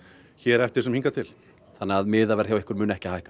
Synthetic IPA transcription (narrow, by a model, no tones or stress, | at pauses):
çɛɾɛft̪ɪɾ̥sɛmhĩŋkat̪ʰɪl | θanːɛɣaðmɪːðavɛɾ̥θjawɪhkʏɾmʏːnɛhcɪhaːjhkḁ